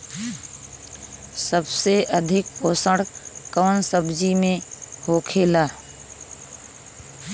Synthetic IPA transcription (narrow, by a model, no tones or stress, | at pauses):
səbseəd̪ʱɪk̚oːsəɽkəːnsəbd͡ʒimẽhoːkʰeːlaː